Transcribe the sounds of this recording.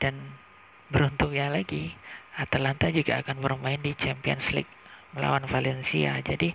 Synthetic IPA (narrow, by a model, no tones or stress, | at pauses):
d̥an | bəɾunt̪ʊkjalaɡiat̪alant̪ad͡ʒuɡaːkanbərmaɪndit͡ʃɛmpiɔ̰nslɪ̰ɡ̚ | məla̰wanfalɛnsia̰d͡ʒadi